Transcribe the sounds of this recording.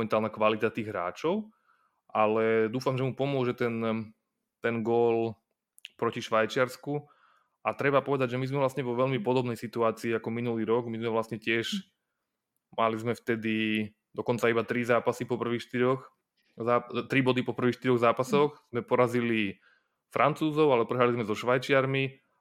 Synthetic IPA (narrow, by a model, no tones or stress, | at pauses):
ɛnt̪aːlnakʋalit̪at̪iːɣɦɾa̰ːt͡ʃɔʊ | ʔalɛd̪uːfamʒɛmupɔmʊɔʒɛt̪ɛn | t̪ɛnɡɔl | pɾɔciʃʋajt͡ʃɪaɾsku | at̪ɾɛbapɔʋɛd̪aɟʒɛmizmɛʋlasɲɛʋɔʋɛʎmipɔd̪ɔbnɛjsit̪uaːt͡siːakɔminuliːɾɔɡmizmɛʋlast̪ɲɛcɪɛʒ | malizmɛft̪ɛd̪i | d̪̥ɔkɔnt͡saibat̪ɾizaːpasipɔpr̩ʋiːxʃt̪iɾɔx | zaːt̪ɾibɔd̪ipɔpr̩ʋiːxʃt̪iɾɔɣzaːpasɔxz̥mɛpɔɾazili | fɾʔant͡suːzɔʊalɛpɾɛɦɾalizmɛzɔʃʋajt͡ʃɪaɾmi